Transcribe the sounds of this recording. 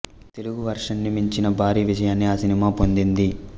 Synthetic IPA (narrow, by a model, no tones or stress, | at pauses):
t̪e̞luɡuʋɐɾʂɐnːimiɲt͡ʃinɐbʱaːɾiːʋid͡ʒɐjaːnːiaːsinimaːpo̞nd̪ind̪i